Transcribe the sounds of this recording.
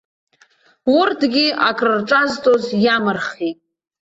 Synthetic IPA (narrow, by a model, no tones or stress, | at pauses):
ʊrdʰɡʲiakʼrɨrʈ͡ʂʼaztʼozjamɨrχitʼ